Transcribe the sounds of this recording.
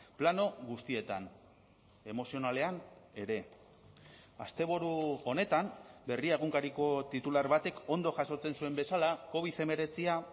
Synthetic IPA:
plano̞ɣust̪ie̞t̪a̰n | e̞mo̞sio̞nale̞ane̞ɾe̞ | a̰st̪e̞β̞oɾuo̞ne̞t̪ambe̞riaɣ̞uŋkaɾiko̞t̪it̪ulaɾβat̪e̞ko̞nd̪o̞ʝaso̞t͡se̞nsue̞mbe̞salako̞β̞iθe̞me̞ɾe̞t͡sia

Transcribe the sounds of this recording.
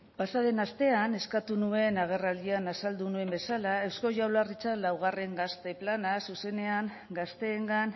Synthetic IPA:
basaðe̞nast̪e̞ane̞skat̪unue̞naɣ̞e̞rald̪ianasald̪unue̞mbe̞salae̞wsko̞ʝawlarit͡sanlawɣ̞are̞ŋɡast̪e̞planasuse̞ne̞aŋ | ɡast̪e̞ːŋɡan

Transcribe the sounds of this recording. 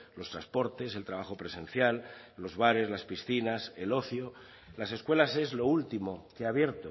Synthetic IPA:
lo̞st̪ɾaspo̞ɾt̪e̞se̞lt̪ɾaβ̞axo̞pɾe̞sẽ̞n̟θjalːo̞zβaɾe̞zlaspisθinase̞lo̞θjo̞ | lase̞skwe̞lase̞zlo̞ult̪imo̞keaβ̞je̞ɾt̪o

